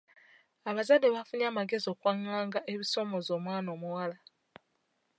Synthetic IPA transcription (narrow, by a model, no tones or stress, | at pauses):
aβazadːe̞βafuɲaːmaɡe̞zio̞kwaːŋːaːŋɡaʔe̞βiso̞mo̞zo̞ːmwaːno̞ːmuwala